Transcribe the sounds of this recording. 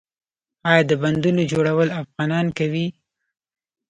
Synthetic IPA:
ɑjɑd̪əband̪unod͡ʒoɽawəlafɣɑnɑnkawi

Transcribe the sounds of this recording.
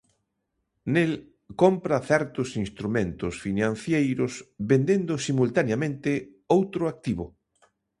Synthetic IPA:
nel | kompɾɐθɛɾt̪ʊsinst̪ɾumẽnt̪ʊsfinãn̟θjejɾʊsbend̪end̪ʊsimult̪anjamẽnt̪ɪ | owt̪ɾʊak̚t̪iβʊ

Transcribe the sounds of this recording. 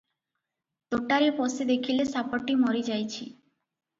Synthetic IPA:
t̪oʈaɾipɔsed̪ekʰilesapɔʈːimɔɾid͡ʒajt͡ɕʰḭ

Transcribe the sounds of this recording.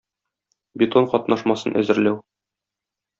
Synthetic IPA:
bʲit̪oɴqɒt̪nɑʃmɑsɤnʔæ̰zɘ̆ɾlæw

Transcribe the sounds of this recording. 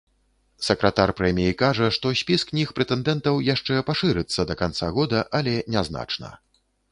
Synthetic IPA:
sɐkɾat̪arpɾɛmʲijikaʐɐʂt̪ɔsʲpʲisknʲixpɾɛt̪ɛnd̪ɛnt̪ɐwjaʂt͡ʂɛpaʂɨɾɨt̪sːɐd̪ɐkant̪saɣɔd̪ɐʔɐlʲɛnʲazna̰t͡ʂnɐ̰

